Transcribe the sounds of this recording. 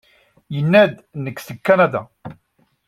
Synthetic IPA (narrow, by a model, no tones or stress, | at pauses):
jənːæd̪nəkːsəkːanad̪a̰